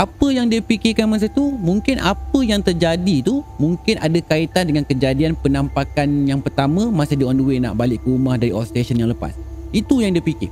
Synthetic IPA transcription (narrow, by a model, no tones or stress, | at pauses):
ʔapəjaŋdiəpikɪkanmas̬ət̪umũŋkɪnʔapəjaŋt̪ərd͡ʒadit̪umũŋkɪnʔadakait̪andəŋankəd͡ʒadianpənãmpakanjaŋpərt̪amãmãsidiɔnduwena̰ʔbalɪʔkəɾumahdaɾiɔlst̪eʃənjaŋləpa̰s | it̪ujaŋdiəpikɪ̰r